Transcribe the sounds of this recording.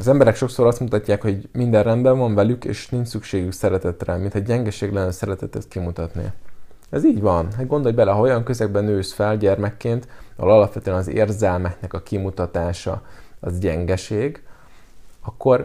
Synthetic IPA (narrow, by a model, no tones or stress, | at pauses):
ɒzɛmbɛɾɛkʃo̞kso̞ɾɒst̪mut̪ɒcːaːkho̞ɟmind̪ɛrrɛnd̪bɛɱvɒɱvɛlykḛːʃniɲt͡ʃsykʃeːɡyksɛɾɛt̪ɛt̪rɛmint̪hɒɟɛŋɡɛʃeːɡlɛnːɛsɛɾɛt̪ɛt̪ɛt̪kimut̪ɒt̪nḭ | ɛziːɟvɒnɦɛɡo̞nd̪o̞lbɛlɛɦɒo̞jɒŋkø̞zɛɡ̚bɛnøːsfɛlɟɛrmɛkːeːnt̪vɒ̰lɒlɒpʋɛt̪øɛnɒzḛːrzɛlmɛknɛkɒkimut̪ɒt̪aːʃɒ̰ɒzɟɛŋɡɛʃeːɡ | ɒkːo̞r